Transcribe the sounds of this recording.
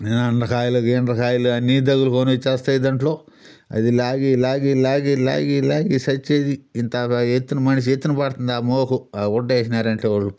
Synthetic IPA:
nenɐnɾɐkaːjɐlɐɡenɾɐkaːjɐlɐɐnːiːd̪ɐɡulukonit͡ʃːaːst̪ɐjd̪ɐɳʈloː | ɐ̰d̪ilaːɡiːlaːɡilaːɡiːla̰ːɡiːla̰ːɡisɐt͡ʃːeːd̪iːnt̪aet̪ːunɐmɐnɐʃ̬iet̪ːunɐpɐɽt̪und̪aːmoːkuuɖːeːsinaːɾɐɳʈeːʋaːu

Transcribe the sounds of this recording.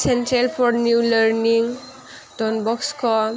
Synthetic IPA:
sentɹelpʰɔnjuləɹniŋ | dɔnbɔkskʰɔ

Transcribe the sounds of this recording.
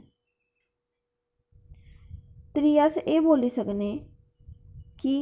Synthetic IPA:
t̪ɾiːəseːboːliːsəkneː | ki

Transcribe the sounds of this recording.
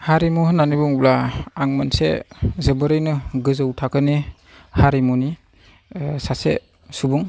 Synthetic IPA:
haɾimuhnːanibuŋblaaŋmansḛzɯbɯɾɯjnɯɡɯzɯwtʰakɯni | haɾimuni | sase | subuŋ

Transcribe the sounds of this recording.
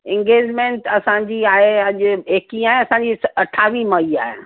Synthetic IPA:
ɪ̃ŋɡeːd͡ʑmẽːɳʈɐsãɲd͡ʑiːaːɦeɐʄʊeːkĩaːɦeɐsãɲd͡ʑiɐʈʰaːʋimɐia̰ːɦḛ

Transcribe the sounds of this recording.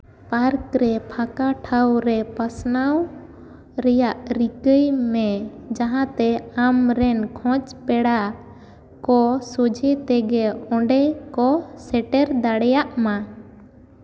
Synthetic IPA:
paɾkɾɛpʰakaʈʰawɾɛpasnaw | ɾɛjaʔɾikəjmɛd͡ʒaɦãt̪ɛamɾɛnkʰɔ̃t͡ʃpɛɽa | kɔsod͡ʒʱɛt̪ɛɡɛɔ̃ɳɖɛkɔsɛʈɛɾd̪aɽɛjaʔma

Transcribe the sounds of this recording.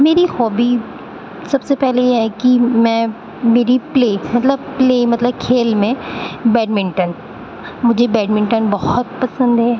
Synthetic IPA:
meːɾixɔːbi | sɐbsepɛɦlejeɦɛkimɛ̃ː | meːɾipleːmɐt̪ləbpleːmɐt̪ləb̚kʰeːlmẽbɛːɖmɪ̃ɳʈən | mʊd͡ʒʱebɛːɖmɪ̃ɳʈənbɔhʊt̪pɐsə̃nd̪ɦɛ

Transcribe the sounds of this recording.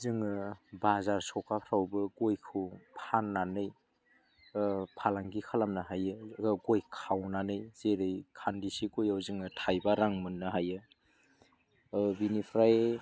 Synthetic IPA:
zɯŋɯbazaɾsɔkapʰɾawbɯɡojkʰɯpʰanːanɯj | pʰalaŋɡikʰalamnaɦajɯɡojkʰawnanɯjz̥eɾɯjkʰandisiɡojawzɯŋɯtʰajbaɾaŋmɯnːɯɦajɯ | binipʰɾaj

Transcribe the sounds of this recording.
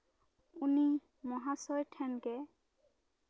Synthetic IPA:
uni | mɔɦasɔjtʰɛnkɛ

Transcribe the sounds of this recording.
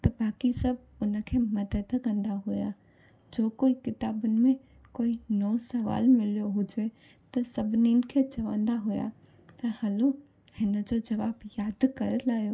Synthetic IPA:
t̪ɐbaːkisɐb | ʊnəkʰemɐd̪ət̪ɐkə̃nd̪aɦuja̰ | d͡ʒoːkoːikɪt̪aːbʊnɪ̆mẽ | koːinɔũsɐʋa̰ːlmɪlijoɦʊd͡ʒe | t̪ɐsɐbʱnin̆kʰet͡ʃɐʋə̰̃nd̪aɦuja̰ | t̪ɐhɐlo | hɪnəd͡ʒod͡ʒɐʋaːbjaːd̪kɐɾəlaːjo

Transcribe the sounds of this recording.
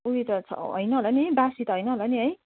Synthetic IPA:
uit̪ʌt͡sʰʌ̰ɦʌ̰jnʌɦolaniɦjbasit̪ʌɦʌjnʌɦolaniɦʌj

